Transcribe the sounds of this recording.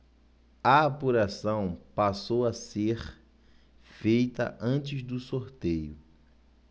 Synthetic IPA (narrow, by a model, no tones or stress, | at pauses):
ɐapuɾasɐ̃w̃pasowɐseɾ | fejt̪ɐ̰ʔɐ̃t͡ʃɪzd̪ʊsoɾt̪ejʊ